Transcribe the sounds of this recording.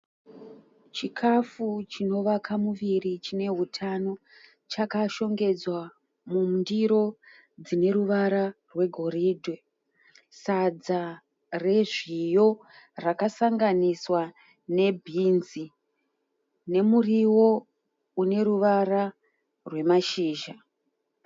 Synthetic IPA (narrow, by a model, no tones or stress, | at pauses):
t͡ʃikʰafut͡ʃino̞ʋakʰamuʋirit͡ʃine̞ɦutʰano̞ | t͡ʃakaʃo̞ŋɡe̞d͡zwa | mumndiɾo̞ | d͡zine̞ɾuʋaɾarwe̞ɡʱo̞ɾiːdʱe | sad͡za | re̞ʐijo̞ | rakasaŋɡaniswa | ne̞bʱinzi | ne̞muriwo̞ | une̞ɾuʋara | rwe̞maʃiːʒa